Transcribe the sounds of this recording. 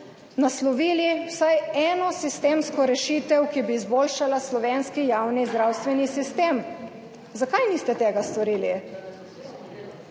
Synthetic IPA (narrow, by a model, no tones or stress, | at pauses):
naslɔʋiːliwsajɛːnɔsist̪eːmskɔɾɛʃiːt̪ɛwkibiːzboːlʃalaslɔʋeːnskijaːwnizd̪ɾawst̪ʋɛnisist̪eːm | zakajniːst̪ɛt̪ɛːɡast̪ɔɾiːli